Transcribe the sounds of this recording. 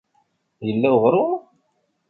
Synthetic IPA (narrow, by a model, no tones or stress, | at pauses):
jəlːæwʁɾˤʊ